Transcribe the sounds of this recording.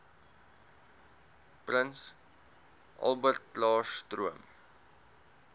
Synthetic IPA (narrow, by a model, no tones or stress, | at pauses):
prəns | ʔɐ̰lˠbərtlɑːʃtruəm